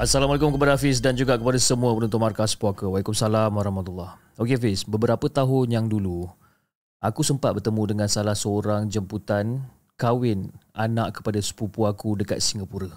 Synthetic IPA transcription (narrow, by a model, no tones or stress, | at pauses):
asːalamalak̬ʊmkəpadaafɪs̬dand͡ʒuɡakəpadasəmũəpənunt̪ʊʔ̚markaspakəwalikʊmsalamwaɾɔhmat̪ulːah | okeafɪsbəbəɾapət̪aɦʊnjaŋdulu | ʔakusəmpat̪̚bərt̪əmũdəŋãnsalahsəoɾaŋd͡ʒəmput̪an | kawɪnʔanaʔkːə̥padasə̥pupuakudəka̰t̪̚siŋɡapuɾə